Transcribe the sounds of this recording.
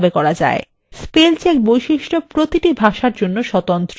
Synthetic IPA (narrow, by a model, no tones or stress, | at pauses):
bekɔɾad͡ʑa̰e | spelt͡ɕek̚bojʃiʃʈopɾot̪iʈibʱaʃaɾd͡ʑonːoʃɔt̪ont̪ɾ